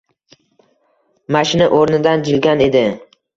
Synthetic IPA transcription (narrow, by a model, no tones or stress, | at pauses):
maʃɪnaʔoɾnɪd̪and͡ʒɪlɡʲane̞d̪ɪ